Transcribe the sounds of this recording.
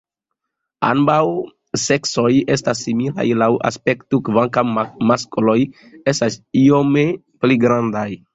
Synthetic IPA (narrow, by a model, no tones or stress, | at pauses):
a̰nbaw | se̞kso̞je̞stasːimila̰jlawʔa̰spe̞ktukvaŋkammaskolo̞j | e̞stasiome | pliɡɾandaj